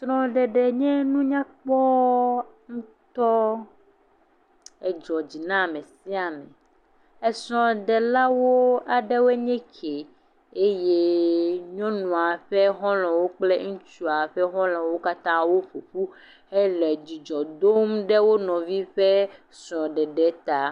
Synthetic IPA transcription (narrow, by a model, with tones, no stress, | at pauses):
t̪ɾɔ̃˦ɖɛ˨ɖɛ˨ɲɛ̃˦nũ˦ɲã˦k͡pɔ˦ | ŋ̩̃˦t̪ɔ˦ | ɛ˦d͡ʒɔ˨d͡ʑi˨nã˦˨mẽ˨si˦a˨mḛ̃˨ | ɛ˦sɔ̃˨ɖɛ˨la˦wo˦a˨ɖɛ˦wo˦e˦ɲɛ̃˦kʰe˨ | e˦je˦ɲɔ̃˦nũ˨a˨ɸe˦xɔ̃˦lɔ̃˨wo˦k͡plɛ˦ŋũ˦t͡ʃu˦a˨ɸɛ˦ɦɔ̃˦lɔ̃˨wo˦ka˦t̪ã˦wo˦ɸu˨ɸu˦ | e˦lɛ˨d͡ʑi˨d͡ʒɔ˨d̪o˦mɖɛ˦wo˦nɔ̃˨vi˦ɸe˦ | sɔ̃˨ɖɛ˨ɖɛ˨˦t̪a˨